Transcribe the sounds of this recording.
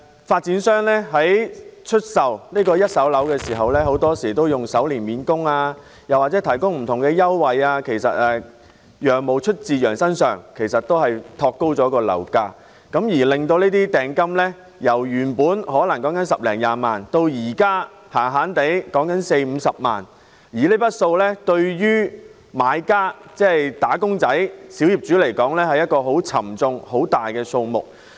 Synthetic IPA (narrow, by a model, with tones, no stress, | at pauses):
faː˧t̚t͡siː˨˥nsœː˥ŋlɛː˥ɦɐ˨˥jt͡ʃʰɵ˥t̚sɐ˨wniː˥kɔː˧jɐ˥t̚sɐ˨˥wlɐ˨˥wkɛː˧siː˨˩ɦɐ˨wlɛː˥ɦo˨˥wt̪ɔː˥siː˨˩t̪o˥wjʊ˨˩ŋsɐ˨˥wliː˨˩nmiː˨˥nkʊ˥ŋaː˧ | jɐ˨waː˨t͡sɛː˨˥t̪ʰɐ˨˩jkʊ˥ŋm̩˨˩t̪ʰʊ˨˩ŋkɛː˧jɐ˥wwɐ˨jaː˧kʰe˨˩jsɐ̰˨t̚ɛː˨˧ | jœː˨ŋmo˨˧wt͡ʃʰɵ˥t̚t͡siː˨jœː˨˩ŋsɐ˥nsœː˨˩ŋkʰe˨˩jsɐ˨t̚t̪o˥whɐ˨jt̪ʰɔː˧kːo˥wt͡sɔː˨˥kɔː˧lɐ̰˨˩wkaː˧ | kɐ˨˥mjiː˨˩lɪ˨˩ŋt̪o˧wneː˥t̪iː˥t̪ɛː˨ŋkɐ˥mlɛ˥ | jɐ˨˩wjyː˨˩npuː˨˥nhɔː˨˥lɐ˨˩ŋkɔː˨˥ŋkɐ˨˥nsɐ˨p̚lɛː˨˩ŋjaː˧maː˨nt̪o˧wjiː˨˩kaː˥ | haː˨˩ŋɦaː˨˥nt̪e˨˥jkɔː˨˥ŋkɐ˨˥nse˧jm̩ː˨˧sɐ˨p̚ma̰ː˨n | jiː˨˩le˥jpɐ˥t̚so˧wlɛː˥t̪ɵ˧ɥjɥyː˥ | maː˨˧jkaː˥t͡sɛː˥˩jt̪aː˨˥kʊ˥ŋt͡sɐ˨˥jsiː˨˥wji˨p̚t͡ʃyː˨˥le˨˩jkɔː˨˥ŋlɛː˥hɐ˨jɐ˥t̚kɔː˧ɦo˨˥wt͡sʰɐ̰˨˩mt͡sʊ˧ŋho˨˥wt̪aː˨jkɛː˧so˧wmʊ̰˨˩k̚